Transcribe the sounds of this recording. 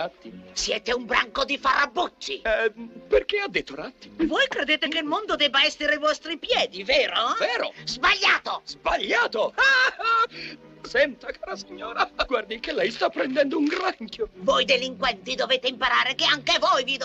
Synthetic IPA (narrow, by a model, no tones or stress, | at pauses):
at̪ːisjɛːt̪eumbɾa̰ŋkod̪ifarabːut͡ʃːiperkead̪ːet̪ːoɾat̪ːi̥vojkɾed̪eːt̪ekelmond̪od̪ɛbaɛsːeɾeajvɔst̪ɾipjɛːd̪iveːɾoveːɾozbaʎːaːt̪ozbaʎːaːt̪o | sɛnt̪akaːɾasiɲːoːɾaɡward̪ikelːɛjst̪apːɾɛnd̪ɛnd̪ouŋɡɾaŋkjovojd̪eliŋkwɛnt̪id̪oveːt̪eimpaɾaːɾekeaŋkevojvid̪